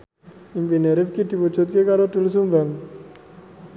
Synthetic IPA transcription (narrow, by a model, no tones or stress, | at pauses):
impineɾɪfkid̪̥ipud͡ʒut̪̚kekaɾod̪uls̬umbaŋ